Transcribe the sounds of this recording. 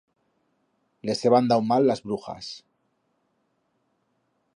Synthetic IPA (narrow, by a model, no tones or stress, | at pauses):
le̞seβand̪awmalːazβɾuxa̰s